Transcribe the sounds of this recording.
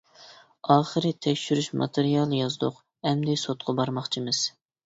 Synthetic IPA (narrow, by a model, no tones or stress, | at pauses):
ɑːχəɾɨt̪ʰɛkʲʃyɾyʃmɑ̰t̪ʰeɾijɑlˠjɑzd̪ʊq | ɛmd̪ɪsot̪̚qʰɑbɑɾmɑχt͡ʃʰimɨz̥